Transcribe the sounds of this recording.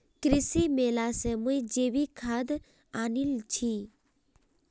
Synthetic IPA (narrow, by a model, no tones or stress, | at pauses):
kɾɪsimeːlasẽmuid͡ʒeʋikʰad̪ | anilt͡ʃʰi